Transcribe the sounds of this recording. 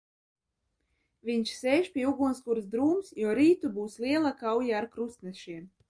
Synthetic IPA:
vʲiɲʲʃsɛːjʃpʲiɛuɡunskuɾsd̪ɾuːmsjuɔɾiːt̪ubuːsliɛlˠakawjaːɾkɾust̪nɛʃiɛm

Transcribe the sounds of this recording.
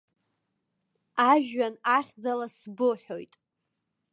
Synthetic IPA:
aʒᶣɥanaχʲd͡zalasbɨħo̞̰jtʼ

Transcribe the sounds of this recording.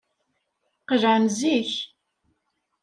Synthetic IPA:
qəʒʕamziç

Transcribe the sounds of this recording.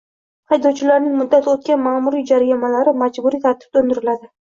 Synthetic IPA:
hɑjd̪owt͡ʃʰɪlaɾnɪŋmʊd̪ːat̪ʰɪot̪̚kʲanmaːmʊɾid͡ʒaɾajamalaɾɪmad͡ʒbʊɾit̪ʰaɾt̪ʰɪ̥b̚t̪ond̪ɪɾɪlad̪ɪ

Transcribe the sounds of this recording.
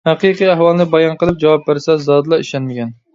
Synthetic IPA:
hæqiqijæɦwɑlˠnɨbɑjɑnqəlˠɨp̚d͡ʒɑwɑp̚bɪɾsɛzɑd̪ɨlˠɑiʃɛnmɪkʲɛn

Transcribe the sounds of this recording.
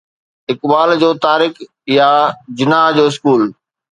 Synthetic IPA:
ɦɪkɓaːld͡ʑoːt̪aːɾɪk | jad͡ʑʊnaːɦd͡ʑoːɪskuːl

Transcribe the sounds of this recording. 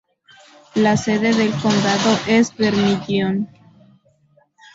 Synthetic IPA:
lase̞ðeðe̞lko̞nd̪aðoʔesbeɾmidjon

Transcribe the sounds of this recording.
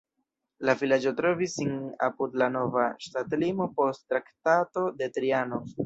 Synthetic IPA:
lavilad͡ʒo̞tɾo̞visːina̰pudlano̞vaʃtatlimo̞po̞sttːɾaktato̞de̞tɾiano̞

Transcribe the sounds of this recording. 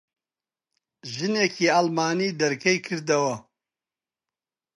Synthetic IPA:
ʒɨneːkʰiːalmaːniːd̪ɐɾkʰɐjkʰɨɾd̪ɐwɐ

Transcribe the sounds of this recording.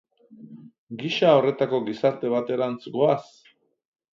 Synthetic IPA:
ɡiʃao̞re̞t̪ako̞ɣisaɾt̪e̞βat̪e̞ɾant͡sɡoas

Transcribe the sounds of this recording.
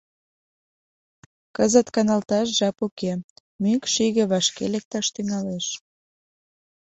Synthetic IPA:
kəzət̪kɑnɑlt̪ɑʃ̬ʒɑpuke | mykʃiɣĕβɑʃkḛlek̚t̪ɑʃt̪yŋɑleʃ

